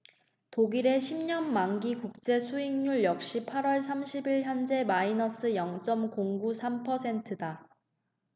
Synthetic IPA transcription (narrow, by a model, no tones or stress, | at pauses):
toɡiɾe̞ɕʰimɲʌnmaŋɡikuk̚t͡ɕ͈e̞sʰuiŋɲuɭjʌk̚ɕ͈ipʰaɾwʌɭsʰamɕʰibiɭçjʌnd͡ʑe̞mainʌs͈ʰɯjʌŋt͡ɕ͈ʌmkoŋɡusʰampʰʌsʰe̞ntʰɯda